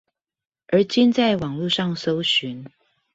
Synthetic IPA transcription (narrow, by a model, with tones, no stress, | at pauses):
ə˨˧˥t͡ɕɛ˥˧nt͡sa˥˩ɪwɑ˨˩ŋlu˥˧ʂɑ˥˨ŋso˥ʊɕy˧˦n